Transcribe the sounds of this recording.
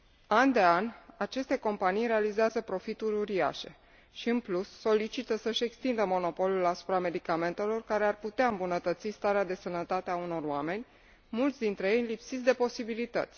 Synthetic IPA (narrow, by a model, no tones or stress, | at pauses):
and̪e̞anʲat͡ʃe̞st̪e̞ko̞mpanijɾe̞alizeazəpɾo̞fit̪uɾuɾia̰ʃe̞̰ | ʃiɨnplusːo̞lit͡ʃit̪əsəʃe̞kst̪ind̪əmo̞no̞po̞lulasu̥pɾame̞d̪ikame̞nt̪e̞lo̞rkaɾe̞arput̪eaɨmbunət̪ət̪sist̪aɾead̪e̞sənət̪at̪eauno̞roame̞nʲ | mult̪sʲd̪int̪ɾe̞jejlipsit̪d̪e̞po̞sibilit̪ə̰t̪sʲ